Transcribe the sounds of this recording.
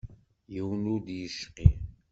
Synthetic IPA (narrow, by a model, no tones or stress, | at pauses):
jiwnud̪jəʃqi